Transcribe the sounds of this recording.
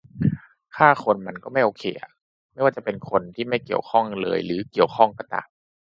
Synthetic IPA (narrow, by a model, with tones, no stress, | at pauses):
kʰaː˥˩kʰo˧nma˧nkɔː˥˩ma˥˩jʔoː˧kʰeː˧ʔa̰˨˩ | ma˥˩jwaː˥˩t͡ɕa˨˩pe˧nkʰo˧nt̪ʰiː˥˩ma˥˩jki˨˩əwkʰɔ˥˩ŋlɤ̰ː˧jɾɯː˩˦ki˨˩əwkʰɔ˥˩ŋka˧t̪a̰˨˩